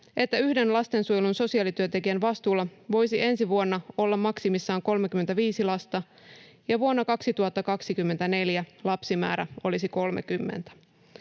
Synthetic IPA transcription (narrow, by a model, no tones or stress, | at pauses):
ʔe̞t̪ːæyhde̞nlɑst̪e̞nsujelunso̞siɑlit̪yønt̪e̞kiænʋɑst̪uːlːɑʋo̞jsiʔe̞nsiʋuonːɑo̞lːɑmːɑksimisːɑːŋko̞lmekymːent̪æʋiːsilɑst̪ɑ | jɑʋuonːɑkɑksit̪uɑt̪ːɑkɑksikymːent̪æne̞ljælɑpsimæ̰ːɾæo̞lisiko̞lmekymːḛnt̪æ̥